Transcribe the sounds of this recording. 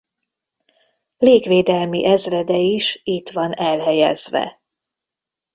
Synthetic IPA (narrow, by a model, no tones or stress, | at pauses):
leːkʋeːd̪ɛlmḭʔɛzrɛd̪ɛiʃit̪ʋɒnɛlɦɛjɛ̰zʋɛ̰